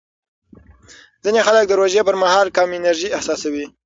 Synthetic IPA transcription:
zinexalək̚d̪əɾoʒepəɾmahɑlkɑmɪnaɾʒiɪhsɑsawi

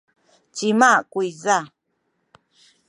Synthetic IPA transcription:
t͡ʃimakujza

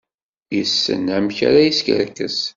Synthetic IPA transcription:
jəsːə̰næmça̰ɾajiskə̰ɾkəs

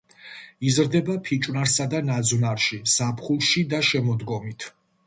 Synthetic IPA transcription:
izɾd̪ɛbapʰit͡ʃʼwnaɾsad̪anad̪znaɾʃisapʰχulˠʃid̪aʃɛmɔd̪ɡɔmit̪ʰ

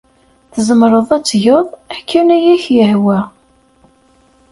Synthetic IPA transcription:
θəzəmɾˤəðˤæt͡sːʝəðˤækːænæjæçjəhwæ

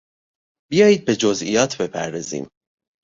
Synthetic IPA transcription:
bijɒːjiːd̪̚be̞d͡ʒozḭjɒːt̪ʰbe̞pʰæ̰ɾd̪ɒːzḭːm

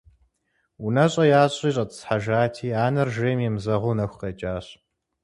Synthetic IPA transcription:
unɐɕʼɐjaːɕʼiːɕʼɐtʼɨ̥sħaʒaːtʰiːaːnɐrʒeːmjɛmzɐʁʷʊːnɐxʷqɐt͡ʃʼaːɕ

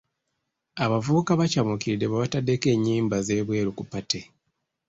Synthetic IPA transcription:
aβavuβukaβacamukiɾide̞βaβatadeke̞ːɲːiːmbaze̞ːβwe̞ːɾukupate̞

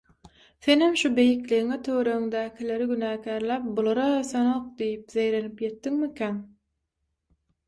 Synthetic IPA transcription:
θenhemʃube̞jikliɣiŋet̪ʰøɣɾø̞ɣyŋd̪æːkʲʰile̞ɾiɡynæːkʲʰæːɾlæːp̚bulˠɑɾɑøθønoq̚d̪ijipzejɾe̞nipje̞t̪ːiŋmikʲʰæn

